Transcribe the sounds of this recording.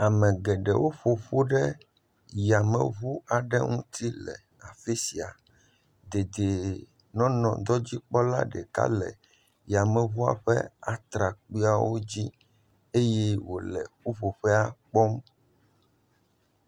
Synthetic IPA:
a˨mɛ̃˨ɡɛ˨ɖɛ˨wo˦ɸo˨ɸo˦ɖɛ˦ | ja˨mɛ̰̃˨βu˦a˨ɖɛ˦ŋũ˦t̪i˦lɛ̰˨ | a˨fe˦si˨a˨ | d̪e˨d̪e˨ | nɔ̃˦nɔ̃˨d̪ɔ˦d͡ʑi˦k͡pɔ˦la̰˦ɖɛ˨ka̰˦lɛ̰˨ | ja˨mɛ̃˨βu˦a̰˨ɸɛ̰˦a˨t̪ɾa˨k͡pi˦a˦wo˦d͡ʑi˦ | e˦jɛ˦wo̰˨lɛ̰˨ɸu˦ɸo˨ɸɛ˦a˦˨k͡pɔ˦m

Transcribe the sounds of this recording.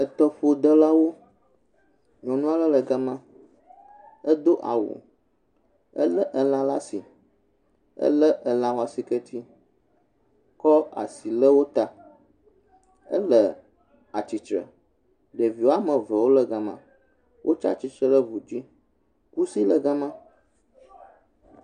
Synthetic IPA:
ə˨t̪ɔ˦ɸo˨d̪ə˦la˦wo˦ | ɲɔ̃˨nũ˦a˦lə˦lə˨ɡa˦mã˦ | ə˦d̪o˦ʔa̰˨wo̰˨ | ə̰˦lə˦ʔə˨lã˦la˦si˨ | ə̰˦lə˦ʔə˨lã˨wo˦a˨si˨kə˦t̪ʰi˦ | kɔ˦a̰˨si˨lə˦wo˦t̪a˨ | ə̰˦lə˨ | a˨t͡ʃi˨t͡ʃɾə̰˨ | ɖə˨vi˨o˦a˦mə̃˨və˨wo˦lə˦ɡa˦mã̰˦ | wʔo˦t͡ʃa̰˦t͡ɕi˨t͡ʃɾə˦lə˦vu˨d͡ʑi˦ | ku˦si˦lə˨ɡa˦mã˦

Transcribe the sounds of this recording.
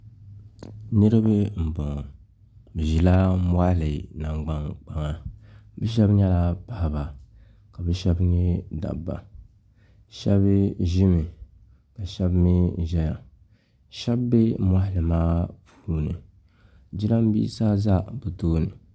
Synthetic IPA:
nɨ˦ɾɨ˦bɨ˦m̩˨bo˨ŋ˨ | bɨ˨ʒi˨la˦m˦a˦˨lɨ˨na˨ŋɡ͡ba˦ŋk͡pa˨ŋa˨bɛ˦ʃ̬ɛ˦bɲɛ˦la˦pa˨ha˨ba˨ | ka˨bɛ˦ʃɛ˦bɲɛ˦da̰˨bːa̰˨ | ʃɛ̰˦bʒɪ˦mɨ˨ | ka˨ʃɛ˦bmi˦ʒɛ˦ja˨ | ʃɛ˦bːe˦ma˦hɪ˨lɨ˨maː˦pʰu˦nɨ̰˨ | d͡ʒi˦la˦m˦bḭː˦saː˦za˦bɨ˨toː˦nɨ˨

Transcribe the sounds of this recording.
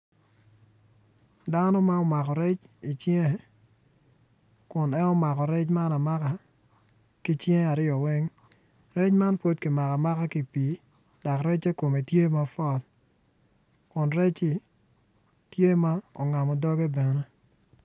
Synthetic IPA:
da˦nɔ˦ma˦ɔ˨ma˨kɔ˨ɾɛ˦t͡ʃi˨t͡ʃje˦˨ | kʊ˨nɛ˦nɔ˦ma˨kɔ˨ɾɛ˦t͡ʃma˦na˨ma˦ka˦ | ki˦t͡ʃje˦a˨ɾɪɔ˨wɛ˦ŋ | rɛ˦t͡ʃma˦npo˦t̚ki˨ma˨ka˨ma˦ka˦ki˦pi˨˦ | d̥a˨kɾɛ˦t͡ʃe˦ko˨me˨tje˦ma˦fɔ˦˨l | kʊ˨nɾɛ˦t͡ʃi˦ | tje˦ma˦ɔ̰˨ŋa˨mɔ˨dɔ˦ɡe˦bɛ˨ne˦

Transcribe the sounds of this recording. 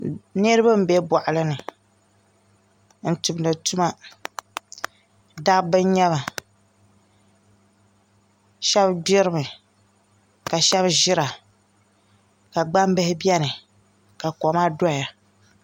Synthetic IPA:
nɨ˦ɾɨ˦ba˦m̩˨bɛ˦bɔ˨ʔlɨ˦nɨ˨ | n̩˨tu˨bnɨ˨tu˦ma˦ | da˦bɨ˦ɲ˦ɲɛ˦βa˨ | ʃɛ˦bbɛ˦ɾɨ˦mɨ˨ | ka˨ʃɛ˦bʒɪ˦ɾa˨ | ka˨ɡ͡ba˦m˦bɨ˦hɪ˦bɛ˦nɨ˨ | ka˨kɔ˨maː˦dʊ˦a˨ja˨

